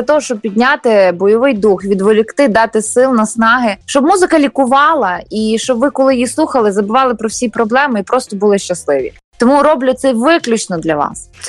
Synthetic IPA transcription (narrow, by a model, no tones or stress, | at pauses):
ɐt̪ɔɦɔʃt͡ʃɔb̚pʲid̪ʲnʲat̪ɪbɔjɔʋɪjd̪uxʋʲid̪ʋɔlʲikt̪ɪd̪ɑt̪ɪsɪlˠnɐsnɑɦɪʃt͡ʃɔbmuzɪkɐlʲikʊʋɑlˠɐiʃt͡ʃɔbʋɪkɔlˠɪjislˠuxɐlˠɪzɐbʊʋɑlˠɪpɾɔwsʲipɾɔblˠɛmɪipɾɔst̪ɔbʊlˠɪʃt͡ʃɐslˠɪʋʲḭ | t̪ɔmuɾɔblʲʊt̪sɛʋɪklʲʊt͡ʃnɔd̪lʲɐʋɑ̰s